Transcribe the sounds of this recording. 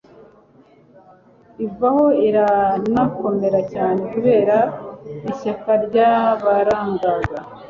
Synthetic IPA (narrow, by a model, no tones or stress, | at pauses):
ivaho̞iɾanako̞me̞ɾacaːne̞kuβe̞ːɾaiɕakaɾɟaβaɾaːŋɡaɡa